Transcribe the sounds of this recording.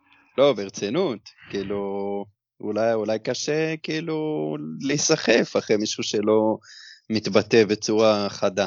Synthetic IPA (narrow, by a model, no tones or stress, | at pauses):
lo̞beʁt͡senut̪kiiːlu | ulajulajkaʃe̞kiiːlulesaχefaχʁemiʃuʃe̞lo̞mit̪bat̪e̞be̞t͡suʁaχad̪a